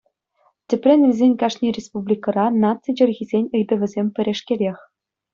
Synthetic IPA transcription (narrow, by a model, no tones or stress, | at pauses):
tʲɘ̆pʲrʲɘ̆nʲvʲɘzʲenʲkɑʂnʲirʲespublʲikɤ̆rɑnɑt̪t͡sid͡ʑɘ̆rʲɣʲizʲenʲɯjd̪ɤ̆ʋʲɘ̆zʲemʲpʲɘ̆ɾʲeʂkʲelʲexʲ